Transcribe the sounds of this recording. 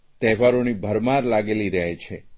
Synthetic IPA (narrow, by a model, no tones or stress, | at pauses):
t̪ɛʋaɾonibʱəɾmaɾlaɡeliɾəɦet͡ʃʰe